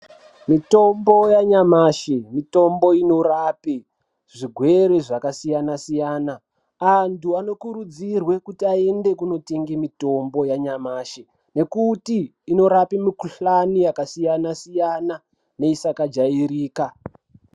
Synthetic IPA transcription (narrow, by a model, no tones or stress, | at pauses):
mito̞mbo̞jaɲamaːʃemito̞mbo̞ino̞rape | ʐiɡʱwe̞ɾeʐakasijanasijaːna | antuano̞kuɾud͡zirwe̞kutiae̞nde̞kuno̞teŋɡemito̞mbo̞jaɲamaːʃe | ne̞kutiː | no̞ɾapimikuɬanijakasijanasijana | ne̞isakad͡ʒaiɾiːka